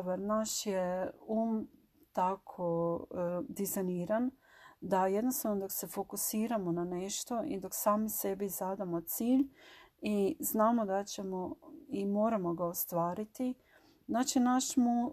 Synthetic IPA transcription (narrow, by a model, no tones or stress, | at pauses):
baɾnaʃjeuːm | t̪akʰo | d̪izajniːɾan | d̪aje̞d̪nost̪aʋnod̪okse̞fokusiːɾamonaneʃt̪o̞ʔid̪oksaːmise̞bizad̪amot̪siːʎiznaːmo̞d̪at͡ɕemoimoːɾamo̞ɡaost̪ʋaːɾit̪i | znaːt͡ʃinaʃmu